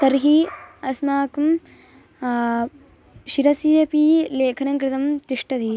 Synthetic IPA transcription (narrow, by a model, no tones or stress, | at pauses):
t̪ɐɾɦiɐsmaːkum | ʃiɾɐsijɐpiːleːkʰɐnɐŋkɾɪt̪ɐmt̪iʂʈɐd̪i